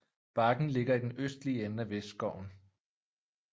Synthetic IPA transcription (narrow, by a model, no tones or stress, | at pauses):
b̥ɑ̈ɡ̥n̩le̝ɡ̥ɐid̥enøsd̥liəenəæʋesd̥sɡ̥ɒʊn